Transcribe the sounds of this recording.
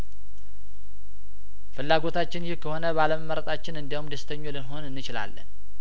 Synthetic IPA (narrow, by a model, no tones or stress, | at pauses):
fɨlːaɡo̞t̪ʰat͡ʃːɪnjɪhkʰəho̞nəbaləməmːəɾət̪ʼat͡ʃːɪnɨnd̪iwumd̪əst̪ʰəɲːolɨnɦo̞nɨnːɨt͡ʃɪla̰lːə̰n